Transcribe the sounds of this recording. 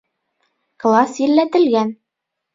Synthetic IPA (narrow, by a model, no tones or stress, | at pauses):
klˠɑsjilːæt̪ɘ̆lɡæn